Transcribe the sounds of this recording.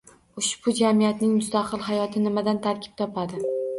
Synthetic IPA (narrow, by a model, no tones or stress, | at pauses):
ʊʃbʊd͡ʒamijat̪nɪŋmʊst̪ʰaqʰɨlˠɦajɒt̪ʰɪnɪmad̪ant̪ʰaɾkʲʰɪ̥p̚t̪ʰɒpʰad̪ɪ